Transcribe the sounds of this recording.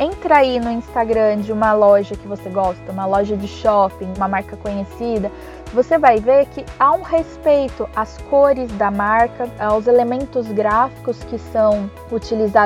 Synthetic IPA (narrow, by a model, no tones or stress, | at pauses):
ẽnt̪ɾainʊĩst̪aɡɾɐ̃d͡ʒɪũmɐlɔʒɐkɪvoseɡɔst̪ɐũmɐlɔʒɐd͡ʒɪʃɔpĩũmɐmaɾkɐkõɲesid̪ɐ | vosevajveɾkɪaũhespejt̪ʊʔɐskoɾɪzd̪ɐmaɾkɐawzelemẽnt̪ʊzɡɾafi̥kʊskɪsɐ̃w̃ | ut͡ʃiliza